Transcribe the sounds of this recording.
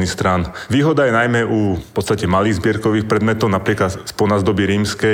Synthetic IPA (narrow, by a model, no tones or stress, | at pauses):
nixst̪ɾaːnʋiːɦɔd̪ajɛnajmɛʔupɔt̪t͡st̪acɛmaliːɣzbɪɛɾkɔʋiːxpɾɛd̪mɛt̪ɔʊnapɾiɛklat̪spɔnaːzd̪ɔbiɾiːmskɛ